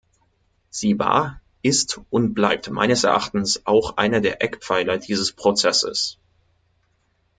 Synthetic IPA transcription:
z̥iːva̰ːɐ | ɪstʔʊnt̚b̥laɪp̚tma̰ɪnəsɛɐʔa̰χtn̩sʔaʊxʔa̰ɪnɐdeːɐʔɛkpp͡faɪlɐdiːzəspʁ̥ot͡sɛsə̰s

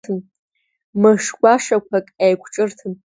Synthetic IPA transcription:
ɨm | mɨʂɡʷaʂɐkʷʰɐkʼajkʷʼʰʈ͡ʂʼɨrtʰɨm

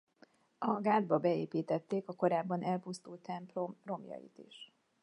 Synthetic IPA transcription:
ɒɡaːd̪bɒbɛeːpiːt̪ɛt̪ːeːkɒko̞ɾaːbːɒnʔɛlpust̪uːlt̪ɛmpomro̞mjɒ̰jḭt̪ḭʃ

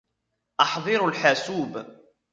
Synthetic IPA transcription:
ʔɑħðˤɨɾʊlħaːsuːb

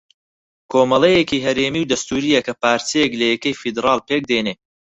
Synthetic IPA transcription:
kʰoːmɐlˠejekiːɦɐɾemiːwd̪ɐst̪uːɾijɐkɐpaːɾt̪ʰijeklɐjɛkɐjfid̪ɾɑːlˠpeːk̚d̪eneː

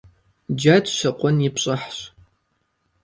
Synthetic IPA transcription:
d͡ʒatɕɐqʷʼɔnjɪpɕʼɐħɕ

